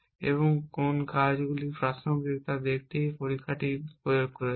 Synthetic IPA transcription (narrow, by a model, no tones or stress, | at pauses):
ḛboŋkonkaɾd͡ʑɡulipɾasobik̚t̪ad̪ek̚ʰt̪ejpoɾikʰːaʈipojoɡ̚kɔɾe